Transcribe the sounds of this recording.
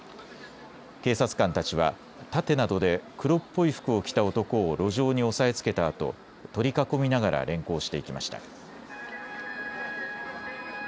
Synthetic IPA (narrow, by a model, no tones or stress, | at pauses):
ke̞ːsat͡sɨ̥kãnt̪at͡ɕiβ̞a̰ | t̪at̪e̞nad̪o̞d̪e̞kɯ̟ɾo̞pːo̞iɸɯ̥kɯ̟o̞kʲi̥t̪ao̞t̪o̞ko̞ːɾo̞ʑo̞ːɲ̟io̞sae̞t͡sɨ̥ke̞t̪aːt̪o̞̰ | t̪o̞ɾʲikako̞mʲinaɡaɾa̰ɾẽ̞ŋko̞ːɕi̥t̪e̞ikʲimaɕi̥t̪a̰